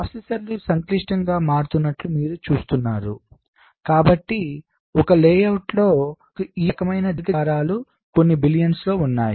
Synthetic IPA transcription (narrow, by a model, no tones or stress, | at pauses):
ɐsesɐɾlusɐŋkliʂʈɐŋɡaːmaːɽut̪unːɐʈlumiːɾut͡ʃuːst̪unːaːɾu | kaːbɐʈːi | ɔkɐleːjɐwʈlo̞ː | iːkɐmɐjnɐd̪k̪ɐːɾaːlu | ko̞nːibilijɐnslo̞ːunːaːji